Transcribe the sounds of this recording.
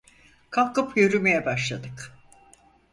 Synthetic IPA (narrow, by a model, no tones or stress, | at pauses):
kʰalˠkɯpjøɾymejɛbaʃlˠad̪ɯk